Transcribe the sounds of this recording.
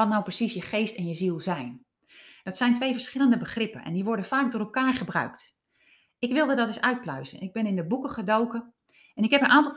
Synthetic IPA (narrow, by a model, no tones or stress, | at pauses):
ɔtnawprəsisjəχejstɛnjəzilˠzɛjn | d̥ɔtsɛjntʋejvəɹsχɪləndəbəχrɪpə̰nɛ̰ndiʋɔɹdəfaːk̚dʊːɾɛlˠkaːɹχəbrœ̰ɥkt | ɪkʋɪlˠdədɔtɪsœɥt̚plœɥzə̰nʔɪɡ̚bɪnɪndəbukəχədowkə | ɛnɪkɦɛpənʔaːntɔlˠ